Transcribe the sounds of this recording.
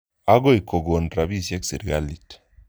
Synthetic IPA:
a˦ɡo˦i˨ko˨ɡo˨ndɾa˨bi˦˨sje˦ksi˨ɾa˦li˨t

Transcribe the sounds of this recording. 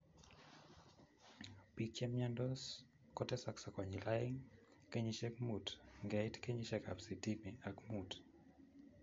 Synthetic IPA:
pikt͡ʃɛ˦mɲandɔs | kɔtɛ˦saksa˨kwa˨ɲila˦i˦ŋ | ke˦ɲiʃɛ˦k̚mu˨tŋɡɛjtke˦ɲiʃɛka̰˨psi˨ti˦mi˨akmut

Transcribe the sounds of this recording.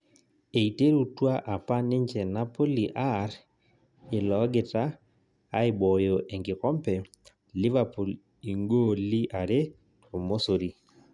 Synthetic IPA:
e˨i˨te˦ɾu˨twa˦ʔa˨pa˦nɪ˦ɲd͡ʒɛ˨na˦po˦li˨ʔa˦ɾ | ɪ˨lɔ˨˦ɡɪ˨taː˦ | ɪ˨bɔ˨jo˨ʔe˨ŋɡɪ˨kɔ˦mpɛ˨ | lɪ˦va˨pu˨l | i˨ŋɡo˦li˦ʔa˨ɾe˦ | to˨mo˦so˨ɾi˨

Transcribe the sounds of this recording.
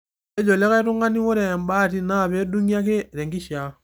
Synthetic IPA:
e˦d͡ʒɔ˨lɛ˦ka˦i˦tu˦ŋɡa˦ni˦wo˦ɾɛ˨mba˦ti˦na˦˨βɛ˨˦du˦ŋia˦k̬e˦ɾɛ˨ŋɡi˦ʃja˨

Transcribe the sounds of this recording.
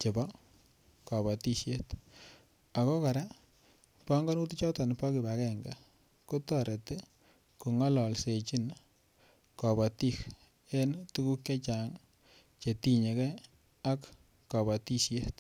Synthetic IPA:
t͡ʃe˨bɔ˦ | kɔ˨βɔ˨ti˦ʃje˦t | a˨kɔ˦ka˨ɾa˦ | pɔ˦ŋɡɔ˦nu˦ti˦t͡ʃɔ˦tɔ˨n˨pɔ˦ki˨ba˨kɛ˨ŋɡa˨ | ko˦tɔ˦˨ɾe˨te˦ | ku˨ŋɔ˦lɔ˨lse˨t͡ʃi˦n | kɔ˨bɔ˨ti˦k | e˦ntu˦ku˦kje˦t͡ʃa˨ŋ | t͡ʃe˨ti˦ɲe˨kɛ˦ | a˦kː | ɔ˨bɔ˨ti˦sje˦t

